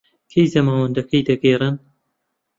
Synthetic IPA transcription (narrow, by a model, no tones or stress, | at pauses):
kʰejzɐmaːwɐnd̪ɐkʰɐjd̪ɐɡeːrɨn